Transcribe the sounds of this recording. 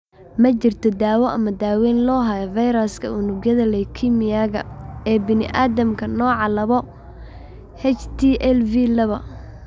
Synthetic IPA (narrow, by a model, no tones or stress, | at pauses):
mɐt͡ʃɪrt̪ʰɔd̪aːwɔʔɐmɐd̪aːwɛːnlɔːɦɐjɐvɐjɾaskʰɐ̰ʊnʊɡjɐðɐlɛjkʰimɪjaːɣɐ̰ɛːbɪnɪ̰ʔaːðɐmkʰɐnɔːʕɑlɐβɔ | hɛt͡ʃt̪ʰiʔɛlvilɐβɐ̰